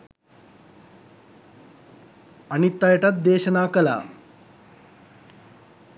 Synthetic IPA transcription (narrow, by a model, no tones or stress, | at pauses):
ɐnit̪ːɐjɐʈɐt̪̚d̪eːɕɐnaːkɐla̰